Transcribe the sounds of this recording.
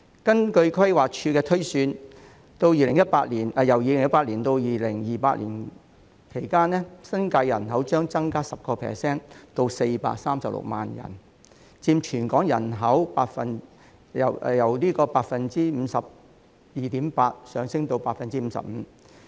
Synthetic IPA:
kɐ˥nkɵ˧ɥkʰɐ˥jwaː˨˩k̚t͡ʃʰyː˧kɛː˧t̪ʰɵ˥ɥsyː˧n | t̪o˧wjiː˧lɪ˨˩ŋjɐ˥t̚paː˧t̚liː˨˩nɛ˨jɐ˨˩wjiː˧lɪ˨ŋjɐ˥tpaː˧t̚liː˨˩nt̪o˧wjiː˨˧lɪ˨˩ŋjiː˨˩paː˧t̚liː˨˩n | kʰe˨˩jkaː˥nːɛː˥sɐ˥nkaː˧jɐ˨˩nɦɐ˨˥wt͡ʃœː˥ŋt͡sɐ˥ŋkaː˥sɐ˨p̚kɔː˧pʰɛ̰ː˨˩sɛː˥nt̪o˧wse˧jpa̰ː˧t̚saː˥msɐ˨p̚lʊ̰˨k̚ma̰ː˨njɐ̰˨˩n | t͡siː˧mt͡ʃʰyː˨˩nkɔː˨˥ŋjɐ˨˩nɦɐ˨˥wpaː˧t̚fɐ˨n | ɐ̰˨˩wjɐ˨˩wliː˥kɔː˧paː˧t̚fɐ˨nt͡siː˥m̩ː˨˧sɐ˨p̚ | jiː˨˧t̪iː˨˥mpaː˧t̚sœː˨˧ŋsɪ˥ŋt̪o˧wpaː˧˥k̚fɐ˨nt͡siː˥m̩˨˧sɐ̰˨p̚m̩ː˨˧˥

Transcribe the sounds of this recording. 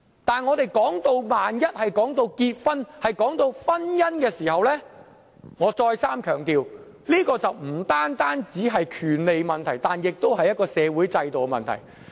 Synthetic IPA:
t̪aː˨nŋɔː˨˧t̪e˨jkɔː˨˥ŋt̪o˧wmaː˨njɐ˥t̚hɐ˨jkɔː˨˥ŋt̪o˧wkiː˧t̚fɐ˥nhɐ˨jkɔː˨˥ŋt̪o˧wfɐ˥njɐ˥nkɛː˧siː˨˩hɐ˨wlɛː˥ | ŋɔː˨˧t͡sɔː˧jsaː˥mkʰœː˨˩ŋt̪iː˨w | liː˥kɔː˧t͡sɐ˨wm̩˨˩t̪aː˥nt̪aː˥nt͡siː˨˥ɦɐ˨jkʰyː˨˩nle˨jmɐ˨nt̪ʰɐ˨˩jt̪aː˨njɪ˨k̚t̪o˥wɦɐ˨jːɐ˥t̚kɔː˧sɛː˨˧wuː˨˥jt͡sɐ˧jt̪o˨wmɐ̰˨nt̪ʰɐ̰˨˩j

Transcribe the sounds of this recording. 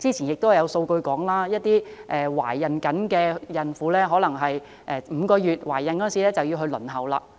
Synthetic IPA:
t͡siː˥t͡sʰi˨˩njɪ˨k̚t̪whjɐ˨˧wso˧wkɵ˧ɥkɔː˨˥ŋlaː˥jɐ˥t̚t̪iː˥ʔɛː˨wa̰ː˨˩jːɐ˨nkɐ˨˥nkɛː˧jɐ˨nfuː˨˥lɛː˥ɦɔː˨˥lɐ˨˩ŋɦɐ˨j | ʔɛː˨˧m̩ː˨˧kɔː˧jyː˨˩t̚waː˨˩jːɐ˨nkɔː˨˦˥siː˨˥lɛː˥t͡sɐ˨wji˧wɦɵ˧lɵ̰˨˩nɦɐ˨wla̰ː˧

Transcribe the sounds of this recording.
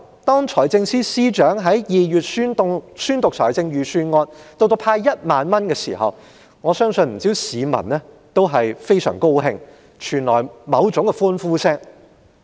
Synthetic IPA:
t̪ɔː˥ŋt͡ʃʰɔː˨˩jt͡sɪ˧ŋsiː˥siː˥t͡ʃœː˨˥ŋɦɐ˨˥jjiː˨jyː˨t̚sy˥n˧syː˥nt̪ʊ˨k̚t͡sʰɔ̰ː˨˩jt͡sɪ˧ŋjyː˨syː˧nŋɔː˧t̚t̪o˧wt̪o˧wpʰaː˧jjɐ˥t̚maː˨˧nmɐ˥nkɛː˧sḭː˨˩hɐ̰˨w | ŋɔː˨˧sœː˥ŋsɵ˧nm̩˨˩t͡siː˨˥wsiː˨˧mɐ̰˨˩nnɛː˥ | t̪o˥wɦɐ˨jfe˥jsœ̰ː˨˩ŋko˥wɦɪ˧ŋ | t͡ʃʰyː˨˩nlɔː˨˩jmɐ˨˧wt͡sʊ˨˥ŋkɛ˧fuː˥nfuː˥sɛ˥k̚

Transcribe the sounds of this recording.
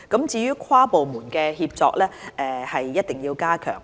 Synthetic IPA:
kɐ˨˥mt͡siː˨˧jyː˥kʰwaː˥po˨wmuː˨˩nkɛː˧ɦiː˧p̚t͡sɔː˧k̚lɛː˥ʔɛː˧hɐ˨jːɐ˥t̚t̪ɪ˨ŋjiː˧wkaː˥kʰœ̰ː˨˩ŋ

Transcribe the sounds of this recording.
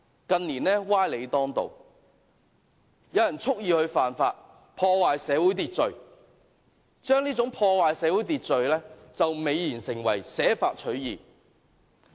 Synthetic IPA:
kɐ˨˧nniː˨˩nɛː˥waː˥jle˨˧jt̪ɔː˥ŋt̪o̰˨w | jɐ˨˧wjɐ˨˩nt͡sʰʊ˥k̚jiː˨˧hɵ˧ɥfaː˨nfaː˧t̚ | pʰɔː˧waː˨jsɛː˨˧˥wu˨˥jt̪iː˧t̚t͡sɵ˨˧ɥ | t͡ʃœː˥ŋniː˥t͡sʊ˨˥ŋpʰɔː˧waː˨jsɛː˨˧wuː˨˥jt̪iː˧t̚t͡sɵ˨ɥlɛː˥t͡sɐ˨wme˨˧jːiː˨˩nsɪ˨˩ŋwɐ̰˨˩jsɛː˨˥faː˧t̚t͡ʃʰɵ˨˥ɥjiː˨

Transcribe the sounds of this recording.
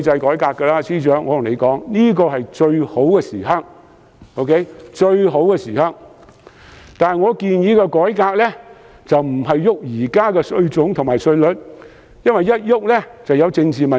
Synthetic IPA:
t͡sɐ˧jkɔː˨˥jkaː˧kːɛ˧laː˧sʰiː˥t͡ʃœː˨˥ŋːɔː˨˧t̪ʊ˨˩ŋle˨˧jkɔː˨˥ŋniː˥k̬ɔː˧ɦɐ˨jt͡ʃɵ˧ɥho˨˥wkɛː˧siː˨˩ɦɐ˥ŋ | o˧wkʰe˨˥jt͡ʃɵ˧ɥɦo˨˥wkɛː˧siː˨˩hɐ˧˩ŋ | t̪aː˨ŋɔː˨˧kiː˨˧njiː˨˥kɛː˧kɔː˨˥jkaː˧k̚lɛː˥ | t͡sɐ˨wm̩˨˩ɦɐ˨jjʊ˥k̚jiː˨˩kaː˥kɛ˧sɵ˧ɥt͡sʊ˨˥ŋt̪ʰʊ˨ŋmaː˨jsɵ˧ɥlɵ˨t̚ | jɐ˥nwɐ˨jːɐ˥t̚jʊ˥k̚lɛ˥t͡sɐ˨wjɐ˨˧wt͡sɪ˧ŋt͡siː˨mɐ˨

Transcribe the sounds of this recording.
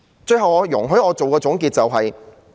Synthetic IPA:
t͡ʃɵ˧ɥɦɐ˨wɔː˨˧jʊ̰˨˩ŋɦɵ˨˥ɔː˨˧t͡so˨wkɛː˧t͡sʊ˨˥ŋkiː˧t̚t͡sɐ˨wɦɐ˨j

